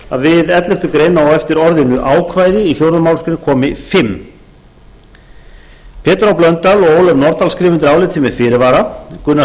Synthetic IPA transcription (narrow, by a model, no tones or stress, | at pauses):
aðvɪðɛt̪lɪft̪ʏkɾeːjnaawɛft̪ɪɾɔɾðɪnʏʔaːwkʰvaːjðɪiçjowɾðʏmawlskɾɪnɪkʰɔːmɪfɪmː | pʰɛːt̪ɾawplœnt̪alɔɣoːwlɛvnɔɾt̪alskɾiːvɪnt̪ɪɾaːwlɪt̪ʰɪmɛðfɪɾɪvaːɾakʏnːa